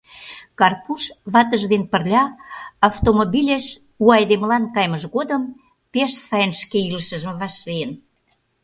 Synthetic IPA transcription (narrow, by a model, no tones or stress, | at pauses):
kɑrpuʃβɑt̪əʒd̪enpərlʲɑːft̪omobʲilʲeʃ | uɑjd̪emlɑnkɑjməʒɣod̪əm | peʃsɑjənʃkeiləʃəʒəmβɑʃliən